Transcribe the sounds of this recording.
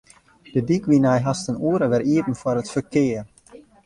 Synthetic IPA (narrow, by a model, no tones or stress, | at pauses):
d̥ədikʋinɛjɦastənuəɾəʋɛriətn̩fwɔɾətfərkɪːər